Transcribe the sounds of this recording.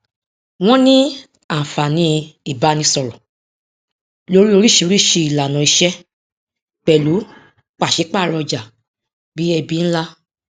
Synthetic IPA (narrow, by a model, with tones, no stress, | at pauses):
w̃ɔ̃˦nĩ˦ | ã˨fa˨nĩ˧˦i˦˨ba˨˦nĩ˧˦sɔ˧ɾɔ˨ | lo˧˦ɾi˦o˧ɾi˦˨ʃi˧o˧ɾi˦˨ʃi˧i˨la˨nɔ̃˨i˧ʃɛ˦ | k͡pɛ˨lu˨˦ | k͡pa˨ʃɛ˨˦k͡pa˦˨ɾɔ˧d͡ʒa˨ | bi˨˦ɛ˧bi˦ñ̩˦la˦